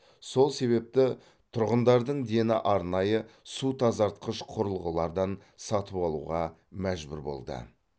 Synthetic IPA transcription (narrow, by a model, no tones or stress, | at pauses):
so̞lˠse̞βe̞p̚t̪ɪ | t̪ʰʊɾʁənd̪ɑɾd̪əɴd̪e̞nɪ̰ʔɑɾnɑjəsut̪ʰɑzɑɾt̪̚qʰəʃqʰʊɾəlˠʁəlˠɑɾd̪ɑn | sɑt̪əpɑlˠṵʁɑ | mæʒbʊɾbo̞̰lˠd̪ə̰